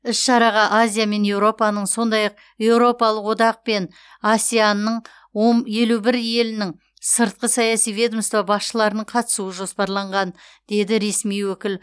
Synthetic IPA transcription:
ɪsʃɑɾɑʁɑʔazʲijame̞nje̞wɾo̞pɑnəɴso̞nd̪ɑjɑq̚ | je̞wɾo̞pɑlˠəqwo̞d̪ɑq̚pe̞n | asʲijanəɴ | woɴje̞lubɪɾje̞lɪnɪŋ | səɾt̪̚qəsɑjɑsijvʲe̞d̪omst̪vɑbɑsʃəlˠɑɾənəɴqʰɑt̪ə̥suəʒo̞spɑɾlˠɑɴʁɑnd̪̥e̞d̪ɪɾe̞smijwɵkʲɪl

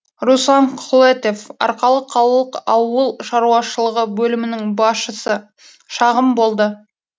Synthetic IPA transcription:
ɾusɑɴqʰʊlˠet̪e̞fɑ̰ɾqɑlˠəqʰɑlˠəlˠəqɑwəlˠʃɑɾuɑʃəlˠəʁəbɵlɪmɪnɪŋbɑsʃəsə | ʃɑʁəmbo̞lˠd̪ə

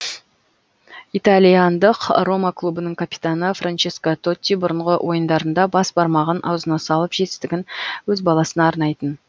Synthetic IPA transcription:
it̪alʲijand̪əqro̞maklˠubənəɴkʰapi̥t̪anəfrʔant͡ʃeskat̪ʰo̞t̪ʲːibʊɾəɴʁəwʔo̞jənd̪ɑɾənd̪ɑbɑsbɑɾmɑʁənʔɑ̰wzənɑsɑlˠəpʒ̥e̞t̪ɪ̥st̪ɪɡʲɪnwɵzbɑlˠɑsənɑːɾnɑjt̪ən

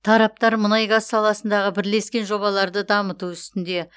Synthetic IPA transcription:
t̪ʰɑɾɑp̚t̪ɑɾmənɑjɡɑzsɑlˠɑsənd̪ɑʁəbɪɾle̞skʲe̞nʒo̞βɑlˠɑɾd̪əd̪ɑmət̪uʏst̪ɪnd̪e̞

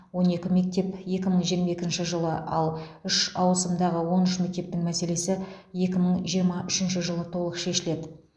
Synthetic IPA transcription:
wo̞ne̞kʲɪme̞k̚t̪e̞pje̞kʲɪməɴʒijəɾmɑje̞kʲɪnʃɪʒəlˠəʔɑ̰lˠʏʃɑwəsəmd̪ɑʁəwo̞nʏʃme̞k̚t̪e̞p̚t̪ɪŋmæse̞le̞sɪ | je̞kʲɪməɴʒijəɾmɑʔʏʃɪnʃɪʒəlˠət̪ʰo̞lˠəqʃe̞ʃɪle̞d̪ɪ

